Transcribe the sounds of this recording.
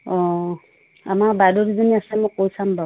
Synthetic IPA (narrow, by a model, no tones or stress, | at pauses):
ɔ̃ | a̰mabadɔɾizɔniasɛmɔkowsamba